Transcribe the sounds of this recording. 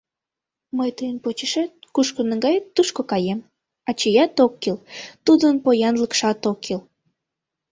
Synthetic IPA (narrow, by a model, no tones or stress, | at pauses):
məjt̪əjənpot͡ɕəʃet̪̚kuʃkonəŋɡɑjet̪ːuʃkokɑjem | ɑt͡ɕəjɑt̪okːilt̪ud̪ənpojɑnləkʃɑt̪okʰːel